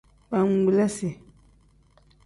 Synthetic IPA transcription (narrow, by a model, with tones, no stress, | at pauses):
pa˨ŋ̩˦˨ɡ͡blɛ˦si˨